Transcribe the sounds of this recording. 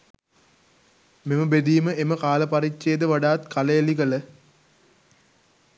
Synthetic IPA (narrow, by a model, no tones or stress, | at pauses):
meməbed̪iːməeməkaːlɐpɐɾit͡ʃːeːd̪əʋaɖaːt̪kʰaləjalik̬ələ